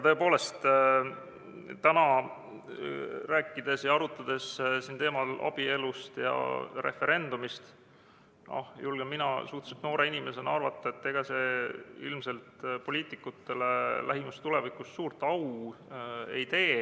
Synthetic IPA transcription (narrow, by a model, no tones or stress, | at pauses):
jɑt̪ɤ̞e̞po̞ːle̞st̪ | t̪ænɑ | ɾæːkːˑid̪̥e̞sjɑɑɾut̪ːˑɑd̪̥e̞ssint̪e̞ːmɑlɑ̰b̥ie̞lust̪jɑ̰ɾefe̞ɾe̞nd̪̥umist̪ | ɑ̰hjulɡ̥emːinɑsuht̪set̪no̞ːɾe̞inime̞se̞nɑrvɑt̪ːˑɑet̪ːeɡ̥ɑse̞ilmse̞lt̪po̞lʲiːt̪ˑikːˑut̪ːe̞le̞lʔæɦimust̪ulevikˑussuːrt̪ːˑɑw | ḛjt̪e̞ː